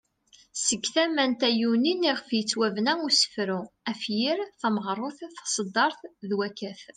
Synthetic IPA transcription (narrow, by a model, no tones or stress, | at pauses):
səɡθæmænt̪æjuniniʁəfjət͡sːwævnæusə̥fɾuæfjiɾθæməʁɾˤʊθθɑ̥sˤəd̪ːɑɾˤθðwækæθ